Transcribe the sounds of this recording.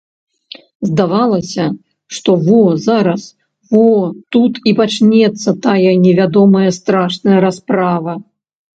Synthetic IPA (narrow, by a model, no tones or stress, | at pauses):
zd̪avalˠɐsʲɐ | ʂt̪ɔvɔzaɾɐs | vɔt̪ut̪ipat͡ʂnʲɛt̪sːɐt̪ajɐnʲɛvʲad̪ɔmɐjɐst̪ɾaʂnɐjɐɾaspɾavɐ